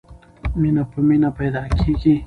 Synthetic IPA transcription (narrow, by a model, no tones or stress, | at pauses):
mɪnapamɪnapajd̪akʰikɪ